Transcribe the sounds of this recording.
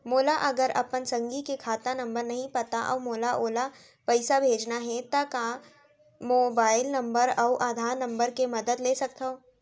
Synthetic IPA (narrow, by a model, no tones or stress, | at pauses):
moːlaʔɐɡəɾɐ̰pənsɐ̃ŋɡikekʰaːt̪anɐ̃mbəɾnɐɦĩpɐt̪aʔɔ̰ːmoːlaʔoːla | pɐɪsabʱeːd͡ʒnaɦɛt̪ɐka | moːbaːɪlnɐ̃mbəɾɔːʔaːd̪ʱaːɾnɐ̃mbəɾkemɐd̪əd̪leːsɐk̚t̪aoː